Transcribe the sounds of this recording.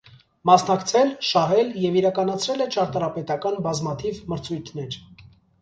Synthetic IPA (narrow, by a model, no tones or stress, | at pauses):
mɑsnɑkt͡sʰɛlʃɑɦɛljɛviɾɑkɑnɑt͡sʰɾɛlɛt͡ʃʰɑɾt̪ɑɾɑpɛt̪ɑkɑnbɑzmɑt̪ʰivməɾt͡sʰujt̪ʰnɛɾ